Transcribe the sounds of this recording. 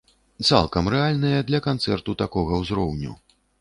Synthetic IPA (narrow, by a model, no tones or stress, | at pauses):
t̪sa̰lˠkɐmrɛalʲnɨjɐd̪lʲɐkant̪sɛrt̪ut̪akɔɣɐwzɾɔwnʲṵ